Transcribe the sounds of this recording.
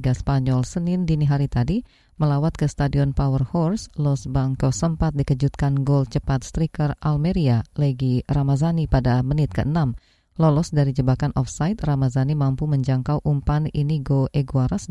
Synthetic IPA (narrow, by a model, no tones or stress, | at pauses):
ɡaspaɲɔlsənɪndiniɦaɾit̪adi | məlawat̪̚kəst̪adiɔnpawərhɔrslɔsbaŋkɔsəmpat̪̚dikəd͡ʒut̪̚kanɡɔlt͡ʃəpat̪̚st̪ɾikəralmeɾialəɡiramazanipadamənɪt̪̚kə̰ʔənam | lɔlɔsdaɾid͡ʒəbakanʔɔfsajt̪̚ramazanimampuməɲd͡ʒaŋkawʔumpaniniɡoʔeɡuaɾas